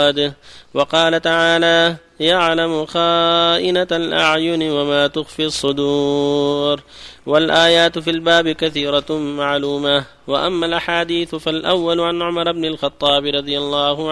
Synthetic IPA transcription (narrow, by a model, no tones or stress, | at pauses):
d̪wɑqɑːlat̪aʕaːlaː | jaʕlamʊxaːʔɪnalʔaʕjʊnɪwamaːt̪ʊxfiːɑsˤːʊd̪uːɾwalʔaːjaːt̪filbaːbɪkaθiːɾˤamaʕluːma | waʔamːalʔaħaːd̪iːθfalʔawːalʊʕanʕʊmɑɾˤɪbnɪlxɑt̪ˤːɑːbɾˤɑd̪ˤɨjɑlˤːɑːhʊ